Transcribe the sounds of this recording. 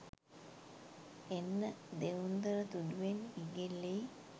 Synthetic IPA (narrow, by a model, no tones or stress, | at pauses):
enːəd̪eund̪əɾət̪uduʋeniɡelːej